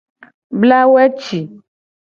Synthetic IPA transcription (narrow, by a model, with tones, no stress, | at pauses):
bla˦wɛ˦t͡ʃi˨